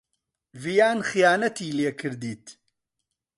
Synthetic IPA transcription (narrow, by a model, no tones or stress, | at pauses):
vijaːnχijaːnɐt̪iːleːkʰɨɾd̪iːt̪